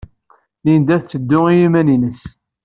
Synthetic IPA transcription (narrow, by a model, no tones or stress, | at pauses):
lind̪æθt͡sːəd̪ːʊijimæninəs